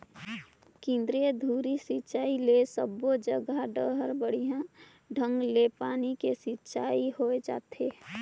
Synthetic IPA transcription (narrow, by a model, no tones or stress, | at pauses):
kẽnd̪ɾiəd̪ʱuːɾisitːt͡ʃaːilesəbːod͡ʒəɡaɖəɦəɾbəɽ̤ijã | ɖʱə̃ŋɡlepaːnikesɪtːt͡ʃaːihoed͡ʒa̰ːt̪ʰe